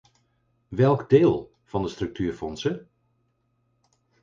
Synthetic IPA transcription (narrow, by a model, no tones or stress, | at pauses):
ʋɛlˠɡdeːlˠ | v̥ɑndəstrɵk̚tyːɹfɔnsə